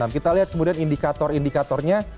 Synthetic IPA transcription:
amkit̪aliɦat̪̚kəmudianindikat̪ɔrindikat̪ɔrɲa

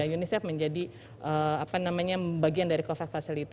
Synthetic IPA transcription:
ajunisɛfməɲd͡ʒadi | ʔəapanamaɲabaɡiandaɾikofɛk̚fasilit̪

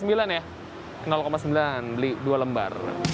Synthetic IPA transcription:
səmbilanja | kənalkomasəmbilanbəlidualəmba̰r

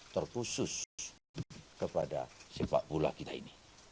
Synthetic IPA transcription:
t̪ərkusus | kəpada̰sɛpa̰ʔpula̰kit̪aḭni

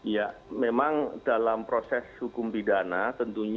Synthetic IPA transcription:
jamemaŋdalampɾosɛshukʊmpidanat̪ənt̪uɲ

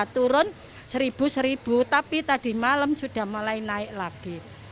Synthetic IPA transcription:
t̪uɾʊn | səɾib̥ṳsəɾib̥ut̪apit̪ad̥i̤maləmsud̥a̤hmalainaɪʔlaɡ̥i

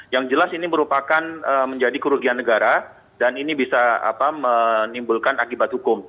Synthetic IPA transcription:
jaŋd͡ʒəlasiniməɾupakanəməɲd͡ʒadikəɾuɡianːəɡaɾa | daninibisaa̰pamənimbulkanakibat̪̚hukʊm

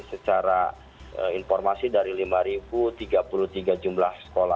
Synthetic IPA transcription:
sət͡ʃaɾa | ə̰infɔrmasidaɾilimaɾibut̪iɡapulut̪iɡad͡ʒumlahsə̥kola

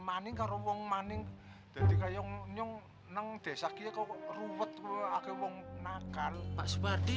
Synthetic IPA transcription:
manɪŋkaɾowɔŋmanɪŋ | d̪̥ä̤d̪̥i̤kajɔŋɲɔŋ | naŋd̪̥ɛ̤sahkijakɔruwət̪̚akewɔŋnakalpaʔsupard̪i

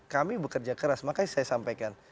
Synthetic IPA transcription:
kamibəkərd͡ʒakəɾasmakajsajasampajkan

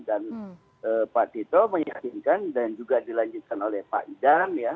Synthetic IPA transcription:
dan | əːpaʔt̪it̪oməŋjja̰kinkandand͡ʒuɡadilaɲd͡ʒut̪̚kanolɛhpa̰ʔidanja

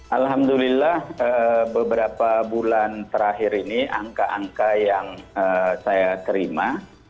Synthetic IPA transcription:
ʔalɦamd̪ulilːahəbəbəɾapabulant̪əɾaɦɪɾiniaŋkaʔaŋkajaŋəsajat̪əɾima

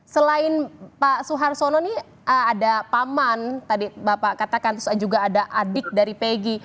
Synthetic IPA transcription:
səlaɪnpasuɦarsonɔnɪh | əadapamant̪adibapakat̪akant̪ʊsad͡ʒuɡaːdaʔadɪk̚daɾipeɡi

